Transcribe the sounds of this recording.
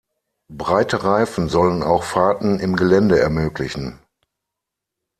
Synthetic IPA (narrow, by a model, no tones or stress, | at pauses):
bʁaɪtəʁaɪfn̩zɔləna̰ʊxfaɐtn̩ɪmɡəlɛndəɛɐmøːklɪçn̩